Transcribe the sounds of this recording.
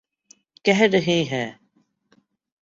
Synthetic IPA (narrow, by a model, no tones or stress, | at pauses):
kɛɦɾəɦĩːɦɛː